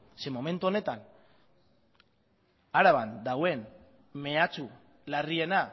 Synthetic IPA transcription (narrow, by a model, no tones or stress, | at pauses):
se̞mo̞me̞nt̪uone̞t̪an | aɾaβand̪awe̞n | me̞at͡su | larie̞na